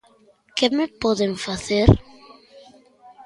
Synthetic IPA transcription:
kemepɔðeɱfaθeɾ

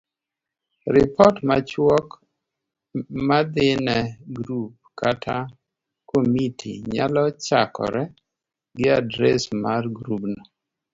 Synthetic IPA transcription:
ɾɪpɔtmat͡ʃwɔk | mad̪ɪnɛɡɾup̚katʰa | komitʰḭɲa̰lɔt͡ʃakɔ̰ɾɛ | ɡɪadɾɛ̰smarɡɾubnɔ

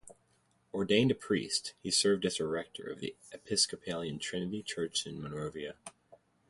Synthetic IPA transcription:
ɔɹdẽɪ̃ndɨpʰɹ̥ḭsthisɜ˞vdɨzəɹɛk̚tʰə̰˞ʌ̰vðḭ | ɨpʰɪskɨpʰeɪlˠiɨ̃ntʰɹ̥ɪ̃nɨɾit͡ʃʰɜ˞t͡ʃɨ̃nmənoʊviɨ

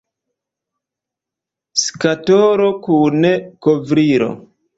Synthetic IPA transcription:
skatoɾokunekovɾiɾo̰

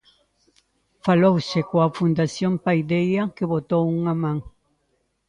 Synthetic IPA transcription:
falowsekoafund̪asjõmpajd̪ejakeβot̪owuŋamãŋ

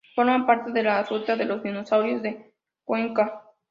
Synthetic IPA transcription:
fo̞ɾmampaɾt̪e̞ðe̞larut̪aðe̞lo̞zðinosawɾjo̞zðe̞ | kwe̞ŋka

